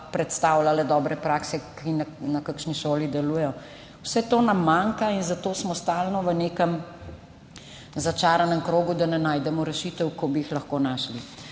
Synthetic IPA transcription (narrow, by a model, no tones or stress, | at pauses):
pɾɛt̪st̪aːwlalɛd̪ɔːbɾɛpɾaːksɛkinanakakʃniʃoːlid̪ɛluːjɛjɔ | wsɛt̪oːnamːaŋkainzat̪oːsmɔst̪aːlnɔʋəneːkəm | zat͡ʃaːɾanəmkɾoːɡud̪anɛnaːjd̪ɛmɔɾɛʃit̪əwkɔbijixlɐxkoːnaːʃli